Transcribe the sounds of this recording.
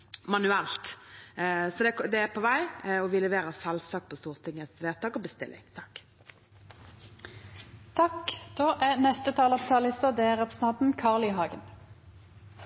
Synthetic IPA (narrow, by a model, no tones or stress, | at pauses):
mɑnʉɛlt̪ | sɔd̪ɛkd̪ɛæpʰɔʋæɪɔʋɪlɛʋeːɾəsɛlsɑk̚pʰɔst̪uːʁt̪ʰɪŋːəsʋeːʁt̪ʰɑːkɔbəst̪ɪ̰lʔɪ̰ŋt̪ʰɑkː | t̪ʰɑkd̪̥oːʔænɛst̪ət̪ʰɑːlɑpt̪ʰɑːlɪsɔd̪ɛːæʁɛpʁəsət̪ʰɑnt̪n̩kʰɑːʁlɪɦɑːɡən